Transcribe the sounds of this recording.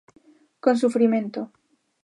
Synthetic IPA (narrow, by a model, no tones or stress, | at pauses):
konsufɾimẽnt̪o